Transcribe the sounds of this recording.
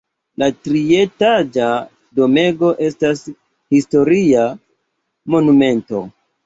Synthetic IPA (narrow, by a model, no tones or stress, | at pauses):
latɾietad͡ʒa | do̞me̞ɡo̞ʔe̞stas | histo̞ɾia | mo̞nume̞nto̞̰